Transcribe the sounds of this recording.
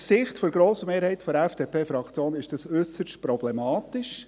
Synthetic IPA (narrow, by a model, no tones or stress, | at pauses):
sɪχtfɔɾɡɾoːsəmeːɾhɛɪt̪fɔɛfd̥epʰeːfɾɑkt͡sjoːnɪʃd̥ɑsʏsəʃtpɾɔblɛmɑːt̪ɪʃ